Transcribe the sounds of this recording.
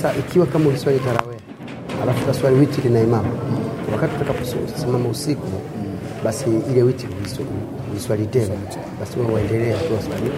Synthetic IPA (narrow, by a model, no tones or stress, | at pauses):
saʔikiwakamauviswalikaɾa̰wɛa | alafukwaswaliwitilinaimamawakatiutakakussimamausiku | ɓasiilɛwitiluisal | uliswalitɛna | ɓasiwawaɛndɛlɛakuwaswali